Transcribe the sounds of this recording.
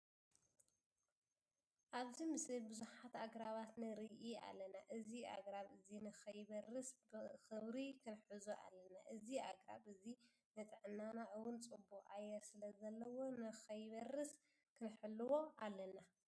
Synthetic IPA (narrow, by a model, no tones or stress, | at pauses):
ʔaβzimɨslibɨzuħat̪aɡɾaβat̪nɨɾɨʔia̰lːɐnaʔɨziʔa̰ɡɾaβɨzinɨxɐjbɐrːɨsbɨxɨβɾikʰɨnħɨzoʔa̰lːɐna̰ʔɨziaɡɾa̰bɨzi | nɐt̪ʼʕɨnːanaʕɨwʊnt͡sʼɨbːuɣʔajːɛɾsɨlɐzɐlːɐwo̞nɨxɐjβɐrːɨs | kʰɨnħɨlːɨwo̞ʔalːɐna